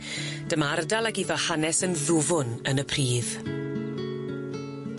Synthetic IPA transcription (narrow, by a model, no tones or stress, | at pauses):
d̥əmardalˠaɡiðɔhanɛsənðʊvʊnənəpʰriːð